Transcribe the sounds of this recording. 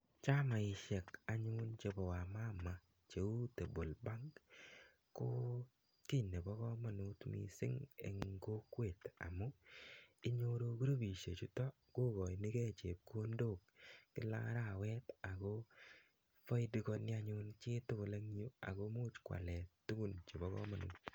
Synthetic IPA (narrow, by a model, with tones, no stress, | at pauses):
t͡ʃa˦ma˨ɪ˨ʃɛ˨ka˨ɲʊ˦nt͡ʃe˨bɔ˨wa˨ma˦ma˨ | t͡ʃe˨u˦te˨bo˨lba˦ŋk | ko˦ | ki˦ne˨bɔ˦kɔ˦ma˨nʊ˦tmḭ˨sɪ̰˦ŋḛ˨ŋɡo˦kwe˨t̪a̰˨mʊ˦ | ɪ˦ɲo˦ɾo˧ku˦ɾo˦bi˨ʃe˨t͡ʃʊ˦tɔ˦ | ko˦ɡɔ˨jnɪ˦ke˦t͡ʃe˨p̚ko˦ndo˦˨kkɪ˦la̰˦ɾa˦˨wɛ˦ta˨ko˦ | fɔ˦ɪ˦di˦kɔ˧nɪ˦a˦ɲʊ˦nt͡ʃɪ˦tʊ˦bo˨la˦ŋ˦o˦a̰˨ko˦mu˦t͡ʃkwa̰˨lɛ˨tːu˦ɡu˦nt͡ʃe˨bɔ˦kɔ̰˦ma˨nṵː˨t